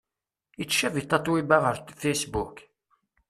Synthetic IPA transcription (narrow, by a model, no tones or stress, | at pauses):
it͡sːʃævit̪ˤːɑt̪ˤːwibæʁəɾfejsbuk